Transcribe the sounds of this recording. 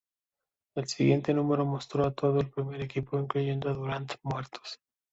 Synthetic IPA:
e̞lsiɣje̞nt̪e̞nũme̞ɾo̞mo̞st̪ɾo̞at̪o̞ðoelpɾime̞ɾekipo̞iŋkluʝe̞nd̪oaðuɾant̪e̥mwe̞ɾt̪o̥s

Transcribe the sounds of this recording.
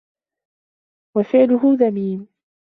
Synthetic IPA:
wafɪʕlʊɦʊðamiːm

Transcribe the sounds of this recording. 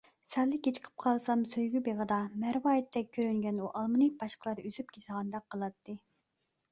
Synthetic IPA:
sælːɪkʲet͡ʃʰə̥qʰə̥p̚qʰɑlˠsɑmsøjɡʲybeʁəd̪ɑmæɾwɑːjit̪ːɛk̚ʲʰːøɾyŋɡʲɛnuʔɑlˠmɨnɨb̥ɑʃqəlˠɑɾyz̥ypkʲʰet̪əʁɑnd̪ɑqʰːəlˠɑt̪ʰːɨ

